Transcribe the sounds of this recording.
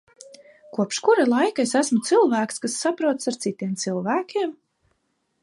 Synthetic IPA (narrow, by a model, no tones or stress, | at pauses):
kuɔpʃkuɾalˠajkaesæsmut̪silˠvæːkskasːapɾuɔt̪saɾt̪sit̪iɛmt̪silˠvæːkʲʰiɛm